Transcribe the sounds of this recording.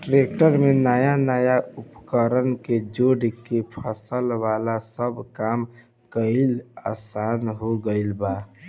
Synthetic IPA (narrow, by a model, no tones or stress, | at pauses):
ʈɾek̚ʈəɾmenəjanəjaupkəɾənked͡ʒoɽkepʰəsəlʋalasəbʱkaːm | kəɪla̰saːnɦoɡəilba